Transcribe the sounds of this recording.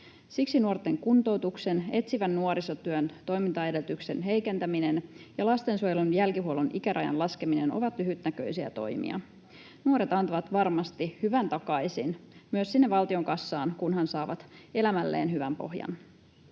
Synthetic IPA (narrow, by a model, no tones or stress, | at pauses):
siksinuort̪ːˑe̞ŋkunt̪o̞wt̪ukse̞ne̞t̪siʋænːuoɾisot̪yønt̪o̞jmint̪ɑede̞lt̪ykse̞nɦe̞jke̞nt̪æminenjɑlɑst̪ensuojelunjælkiɦuolunʔikæɾʔɑjɑ̰nlɑske̞mine̞noʋɑt̪lyɦyt̪nækø̰jsiæ̰t̪o̞̰jmḭɑ̰ | nuoɾet̪ɑnt̪ɑʋɑt̪ʋɑrmɑst̪ihyʋænt̪ɑkɑjsinmyøssinːeʋɑlt̪io̞ŋkɑsːɑːnkunhɑnsɑːʋɑt̪e̞læmælːḛːnɦyʋæmpo̞̰ɦjɑ̰n